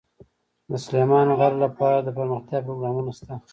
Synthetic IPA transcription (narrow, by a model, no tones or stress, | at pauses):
d̪əsʊlemɑnɣaɾlapɑɾad̪əpəɾməxt̪jɑpɾoɡɾɑmunast̪a